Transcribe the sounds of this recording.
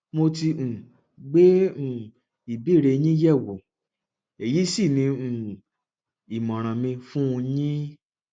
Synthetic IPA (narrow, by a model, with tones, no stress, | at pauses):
mo˧ti˧ũ˨ | ɡ͡be˦ũ˨ | i˨bi˦˨ɾe˧ɲ̃ĩ˦jɛ˦˨wo˨˦ | e˨ji˨˦si˦˨nĩ˧ũ˨ | i˨mɔ̃˨ɾ̃ã˨mĩ˧fũ˦ũ˧ɲĩ˦